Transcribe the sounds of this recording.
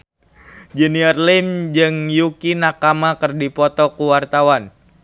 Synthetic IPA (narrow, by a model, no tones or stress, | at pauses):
d͡ʒɛniərlimd͡ʒɨŋjukinakamakɨrdipɔt̪ɔkuwart̪awan